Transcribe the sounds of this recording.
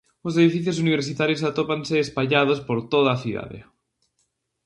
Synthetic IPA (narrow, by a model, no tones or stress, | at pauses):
os̬eðifiθjos̬uniβeɾsit̪aɾjos̬at̪opanseːspaʎað̞ospoɾt̪oðaːθuða̰ðḛ